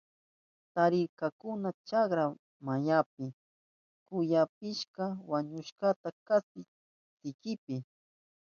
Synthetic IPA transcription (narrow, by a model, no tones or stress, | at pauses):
t̪aɾɪɾkakʊnat͡ʃakɾa | majap̚ɪ | kʊjap̚ɪʃkawaɲʊʃkat̪akasɪ | t̪ɪkɪpɪ